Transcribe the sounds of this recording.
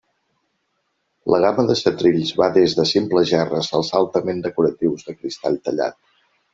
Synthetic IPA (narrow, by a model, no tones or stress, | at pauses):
ləɣ̞aməðəsət̪ɾiʎzβaðezðəsimpləzʒɛrəzəlˠzalˠt̪əmend̪əkuɾət̪iwzðəkɾist̪aʎt̪əʎa̰t̪̚